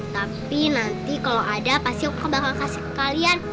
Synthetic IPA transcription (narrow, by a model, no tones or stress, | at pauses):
t̪apinant̪ikaloadapast̪ikkəbakaŋkasi̥kalian